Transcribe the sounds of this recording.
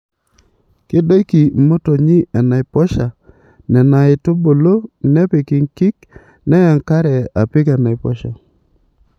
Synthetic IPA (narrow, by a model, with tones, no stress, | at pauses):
kɪ˦do˦ki˨mo˦to˨ɲɪ˦a˨na˨ɪ˨pɔ˦ʃa˨ | nɛ˨na˨ɪ˨to˦bo˨lo˦nɛ˦pi˨ki˨ŋki˦k | nɛ˦ja˨ŋka˦ɾɛ˨a˨pɪ˦ka˨na˨ɪ˨pɔ̰˦ʃa̰˨